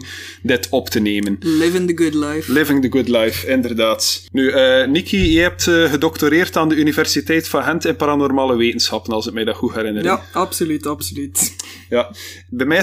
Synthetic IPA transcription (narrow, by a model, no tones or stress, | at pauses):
dɪtɔptəneːmənlɪvɪ̃ŋdəɡʊdlaflɪvɪ̃ŋdəɡʊdlajfɪndərdaːtnyəːnikʰiəɦɛp̚tːɣədɔktoɾeːrtaːndəynivɛrsitɛjtfɑnɦɛntɛnpaɾanɔrmaːləʋeːtənsxɑpənɑlˠsɪk̚mɛjdaːxuɛɾɪnəjaɑpsolytɑpsolyt | ja | bɛmɛ